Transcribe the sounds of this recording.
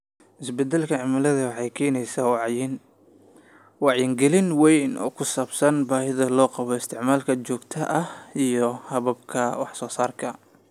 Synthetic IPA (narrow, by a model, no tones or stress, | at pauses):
ʔɪsbɛd̪ːɛlkʰɐʕɪmɐlɐðɐwɑħɑjkʰɛːnɛjsaːwɑʕjɪn | wɑʕjɪŋɡɛlɪnwɛjnɔ̰ːkʰʊsaːbsɐnbaːhɪðɐlɔːqɑβɔɪst̪ʰɪʕmaːlkʰɐt͡ʃɔːɡt̪ʰɐʔɐhijɔhɐβɐb̚kʰɐwɑħsɔːsaːrkʰɐ